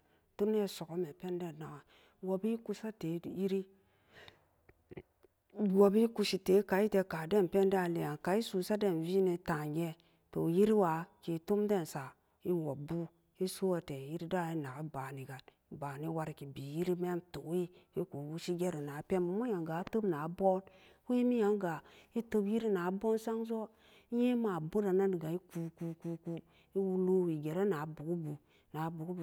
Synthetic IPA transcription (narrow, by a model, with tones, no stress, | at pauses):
tu˦ne˦˨so˨ko˦me˨pe˦nde˦˨na˨ɡa˨ | wo˨bi˦ku˦sa˦te˨˦˨ji˦ɾi˦ | wo˨bi˦ku˧ʃi˨te˨˦ka˨i˦te˨ka˨de˦npe˦n˦da˦˨le˨ja˨nka˨i˦su˨sa˦de˦˨nvi˦ne˨ta˨ŋɡe˦ | to˨ji˦ɾi˦wa˨ki˨tu˦mde˦˨nsa˨ | i˦nwo˨bu˦ | i˦su˦wa˨te˨ji˦ɾi˦da˦˨i˦na˨ɡa˦ba˨ni˨ɡa˨lba˨ni˦wa˨ɾki˨bi˨ji˦ɾi˦me˦tu˨ki˦i˦ku˨wu˦ʃi˦ɡʲe˦ɾe˨na˨˦pe˦mu˨mo˦ja˨ŋɡa˨˦tə˦bna˨˦bo˦n | we˦mi˦ja˨˦ŋɡa˨i˦tə˦bji˦ɾi˦na˨˦bo˦n˦sa˦ŋzo˦ | i˦je˦ma˨bu˦ɾa˨na˦ni˨ɡa˨i˦ku˨ku˨ku˧ku˨ | i˦wu˦lu˦wi˨ɡe˨ɾe˦na˨˦bu˨ɡu˦bu˨ | na˨˦bu˨ɡu˦b